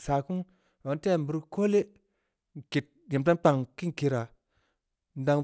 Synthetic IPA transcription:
sa˨ku˦ŋ˨ | a˨n˦te˦˨m˨bu˨ɾko˦le˦ | ŋ˨ki˨t̚je˨mta˦k͡pa˨ŋki˦ŋ˨ki˨˧ɾa˨ | nda˨ŋ

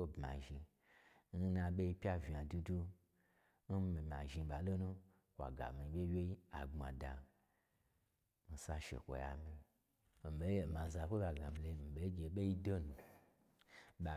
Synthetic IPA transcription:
o˦bma̰˨ʒi˧ | n̩˦nã˧ɓʲe˦i˦pʲja˦va˨du˧du˦ | n̩˦mi˨mʲ˨a̰˨ʒi˧ɓa˨lo˦nũ˦ | kʷa̰˨ɡa̰˨mĩ˨˦ɓʲe˦wʲe˦i˦a̰˨ɡ͡ba˨da˨ | mi˨sa˧ʃḛ˨kʷo̰˨ja̰˨mi˧ | mi˨be˨˦je˨mã˨za˨kʷo˦ba˨ɡa˨mi˨le˧˨mi˨ɓe˨˦i˦ɡʲe˨˦ɓe˦i˦do˦nu˨ | ɓa˨

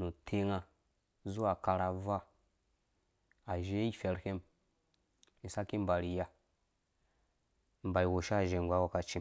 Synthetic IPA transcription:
no˨tʰe˦ŋa˨ | zu˦a˨ka˨ɾa˨va˦ | a˨ʒe˦i˦fe˨ɾhe˦m | i˨sa˦ki˦m˦ba˨ɾi˨ja˨ | m̩˨ba˨i˨wo˨ʃa˦˨ʒe˨ɡʷa˨˦wa˨ka˨t͡ʃi˨

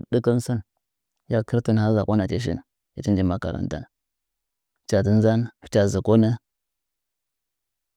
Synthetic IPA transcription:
də˦kə˦n˦sə˦n | ja˦kə˦ɾti˦n˨a˦za˨kʷa˦na˨t͡ʃe˦ʃ̬ḭ˦n | i˨ti˦nd͡ʒi˦ma˨ka̰˨ɾa̰˨nta̰˦n˨ | t͡ʃa˨tə˦n˦za˦nft͡ʃa˨zi˨ko˦nə˦

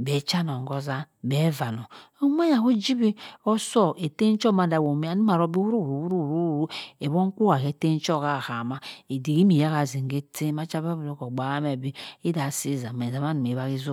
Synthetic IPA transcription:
be˨˦t͡ʃa˦n˨o˨ŋ˨ɡo˦za˦be˨˦va˨no˨o˦m˦a˦ja˨ku˦d͡ʒi˦bi˦o˦so˦e˨te˦n˦t͡ʃo˦ma˨da˨wo˨mi˦a˦nu˦ma˨ɾo˦bi˦wu˦ɾu˦wɾu˨wu˦ɾu˦˨ɾu˦˨ɾu˦e˨bo˦ŋ˦ku˦a˨ke˨te˦n˦t͡ʃo˦˨ka˦˨ha˨ma˦e˨di˨ki˦mi˨ja˦ɣa˨zi˨ŋ˨ɡe˦te˦ma˦t͡ʃa˦ba˦bu˨ɾo˦ko˨ɡ͡ba˨a˦me˨bi˦i˦da˨si˦˨za˨m˨e˨za˨ma˦nu˨me˨βa˦ɣi˦zu˦

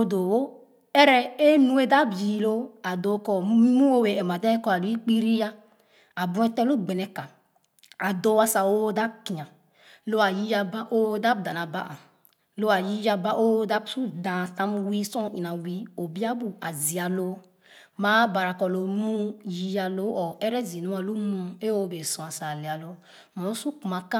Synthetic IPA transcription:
o˦do˨wo˦ | ɛ˦ɾɛ˦e˦nũ˦e˦da˦bji˨˦lo˦a˨do˨˦kɔ˨˦mu˦o˦we˨ɛ˨m˨a˨dɛ˦kɔ˦a˨lu˨˦i˦k͡pi˦ɾi˦ja˦ | a˨bũ˦ɛ˦tɛ˦lo˦˨ɡ͡be˨nɛ˨ka˨ | a˨do˦a˦sa˨o˦da˦ki˨ã˨ | lo˦a˨ji˦ja˧ba˦ʔo˦da˦b̚dã˨na˨ba̰˦ʔa̰˨ | lo˦a˨ji˦ja˧ba˦ʔo˦da˦bsu˦dã˨sa˦mwi˦sɔ̃˦i˨na˨wi˦o˨bi˦a˦bu˨a˨zi˨a˨lo˦ | ma˨˦ba˨ɾa˨kɔ˨lo˨mũ˦ji˦ja˧lo˨˦ɔ˨ɛ˦ɾɛ˦zi˨nu˦a˨lu˦mũ˦e˦o˦˨be˨sɔ̃˨a˨sa˨le˨a˨lo˦ | mɔ˨u˦su˦ku˨ma˨ka˦

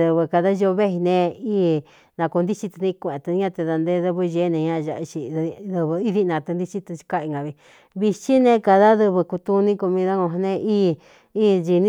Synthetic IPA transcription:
ðɨ˧βɨ˧ka˧ða˦ʒo˧βe˦i˧nẽ˧iː˦ | nã˧ku˧nd̪i˦t͡ʃi˧t̪nĩ˦˧kʷẽ˧˨t̪u˧˦ã˦˧t̪e˧ða˧nd̪e˧˦ðɨ˧βɨ˧ʒe˧˦nẽ˧ɲã˦˧ʒa˧i˧t͡ʃi˧ðɨ˧βɨ˧i˦ði˦˧nã˧t̪ɨ˧nd̪i˦t͡ʃi˦t̪ɨ˧t͡ʃi̥˧ka˦˧i˧ŋɡa˨βi˧ | βi˧t͡ʃi˦nẽ˧ka˧ða˦ðɨ˧βɨ˧ku˧t̪u˧nĩ˦ko˧mĩ˧ða˦ŋõ˧ɦnẽ˧ʔi˦ | iː˦d͡ʒi˧nĩ˦

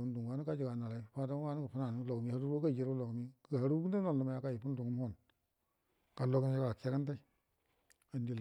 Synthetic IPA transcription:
u˦ndu˨ŋ˨wa˦nu˦ka˦d͡ʒi˨ɡa˨na˨la˨i˦fa˦ta˦wa˦ni˦ɡə˨fu˦na˨ni˨˦lo˨ɡmi˨ha˦ɾu˦ɾo˦ka˦˨d͡ʒe˦ɾu˦lo˨ɡmi˦ɡə˨ha˨ɾu˦u˦n˦a˦no˦˨n˨lu˨ma˨ja˨ka˦˨ji˨pu˦n˦du˨ŋɡu˦m˦ho˦˨n | ka˨lo˨ɡmi˦ka˨ke˦ka˦n˦ta˦i˦ | a˨ndi˨l

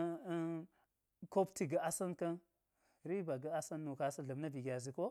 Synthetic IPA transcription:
ko˦pti˨ɡa˨a˦sa˦nka˦n | ɾi˦ba˨ɡa˦a˦sa˦nːu˨ka˦sa˦ɮa˨mna˦bi˨ɡʲa˨zi˨ko˦

